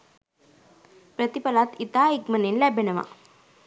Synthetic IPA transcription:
pɾət̪ipəlat̪it̪aikmənenlɛbʱənəʋa̰

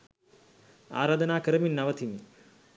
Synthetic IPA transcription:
a̰ːɾaːd̪ɐnaːkəɾɐminːɐʋɐt̪ʰimi

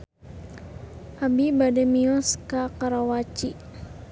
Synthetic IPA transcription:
ʔabibadɛmiɔskakaɾawat͡ʃi

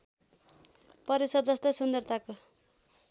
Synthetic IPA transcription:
pʌɾesʌrd͡zʌst̪ʌjsund̪ʌrt̪ʰako

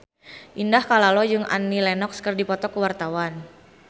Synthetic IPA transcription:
ʔindahkalalɔd͡ʒɨŋʔa̰nːilɛnɔkskərdipɔt̪ɔkəwart̪awan

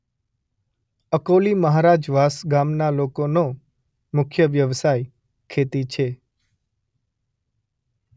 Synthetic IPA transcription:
əkoliməɦaɾad͡ʒʋasɡamnalokono | mʊkʰjəʋjəʋsaj | kʰet̪it͡ʃʰe

